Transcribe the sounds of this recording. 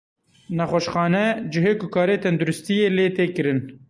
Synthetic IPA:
nɛxwɛʃxɑːnɛd͡ʒɪɦeːkʊkʰɑːɾeːt̪ʰɛnd̪uɾʊst̪ijeːleːt̪eːkɨɾɨn

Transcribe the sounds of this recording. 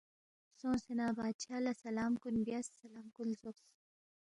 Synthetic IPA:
sõːsenabaːt͡ʃʰalasalaːmkunbjasːalaːmkulzoks

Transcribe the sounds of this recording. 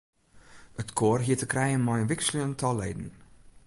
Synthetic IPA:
ətkʰoːrɦiətəkrɛjənmɔjənʋɪkslyəntʰɔleːdn̩

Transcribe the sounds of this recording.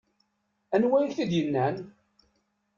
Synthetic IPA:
ænwæjəçθid̪jənːæn

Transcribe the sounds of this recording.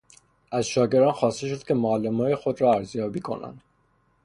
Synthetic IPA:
ʔæzʃɒːɟe̞ɾd̪ɒːnxɒːst̪e̞ʃ̬o̞d̪̥cʰe̞moælːemɒːjexo̞d̪ɾɒːæɾzjɒːbiːkʰo̞̰næ̰nd̪̥

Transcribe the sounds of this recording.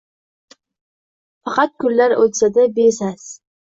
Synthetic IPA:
fɑqʰɑt̪̚kʰʊɾːaɾot̪sad̪abesas

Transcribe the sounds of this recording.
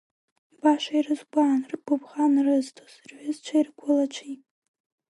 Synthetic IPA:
ibaʃʷairɨzɡʷaːnrɡʷʊbχanrɨztʰoz̥rʕʷʊzt͡ʃʷʰairɡʷʊlat͡ʃʷʰipʼ

